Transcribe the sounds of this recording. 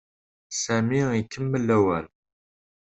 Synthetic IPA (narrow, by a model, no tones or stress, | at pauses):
sæmiikːəmːəlːæwæ̰l